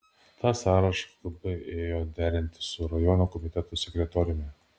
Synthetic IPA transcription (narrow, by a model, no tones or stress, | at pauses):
t̪ʰɑːsɑːɾɐʃlˠɐbɐɪʔeːjoːd̪ʲæːɾʲɪnʲt̪ʲɪ̥sʊɾɐjɔnokɔmʲɪt̪ʲɛt̪ʊsʲɛkɾʲɛt̪ɔːɾʲɪmʲɛ